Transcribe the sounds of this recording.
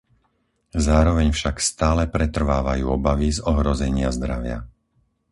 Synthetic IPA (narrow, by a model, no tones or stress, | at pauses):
zaːɾɔʋɛɲfʃakst̪aːlɛpɾɛt̪r̩ʋaːʋajuːɔbaʋizɔɦɾɔzɛɲɪazd̪ɾaʋɪa̰